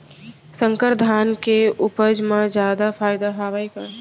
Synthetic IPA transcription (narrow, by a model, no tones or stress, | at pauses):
sə̃ŋkəɾd̪ʱaːnkeʊpəd͡ʒmãd͡ʒjaːd̪apʰaːɪd̪aɦaːʋaika